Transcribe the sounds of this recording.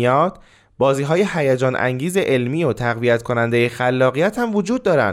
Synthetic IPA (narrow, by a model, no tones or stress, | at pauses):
ɒːd̪̥ | bɒːziːɦɒːje̞hæjed͡ʒɒːnʔæ̰ŋɟiːze̞ʔelmiːjot̪ʰæɣvijæt̪kʰo̞nænd̪e̞jexælːɒːɣijæt̪hæmvod͡ʒuːd̪̚ːɒːɾæ̰nd̪